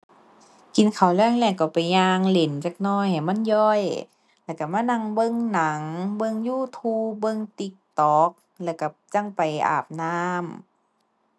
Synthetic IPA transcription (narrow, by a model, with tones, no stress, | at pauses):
ki˨nkʰa˨˩wlɛː˧˥˨ŋlɛː˧˩˨ka˧˨˩pa˨˩jɲaː˧ŋle˨˦nt͡ɕa˧k̚nɔː˧˩jha˨˩jma˧˥˨njɔː˧˩j | lɛː˧˩˨ka˧˩maː˧˥˨na˧˩ŋbɤ˧˨ŋna˨˦ŋbɤ˧˨ŋjuː˧˩˨t̪ʰuː˧bɤ˧˨ŋt̪i˧k̚t̪ɔː˨˧˦k̚ | lɛː˧˩wka˧˩t͡ɕa˧˨ŋpa˨˩jʔa̰ː˨˩p̚naː˧m